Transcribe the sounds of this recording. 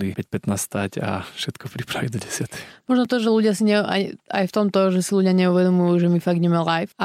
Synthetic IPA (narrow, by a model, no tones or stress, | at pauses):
lipɛc̚pɛt̪nasst̪aca̰fʃɛt̪kɔpɾipɾaʋḭɟ̚d̪ɔɟɛsɪat̪ɛ̥xmɔʒnɔt̪ɔʒɛluɟɪasiɲɛa̰a̰jft̪ɔmt̪ɔʒɛsiluɟɪaɲɛuʋɛd̪ɔmujuʒɛmifaɡɲɛmalajfa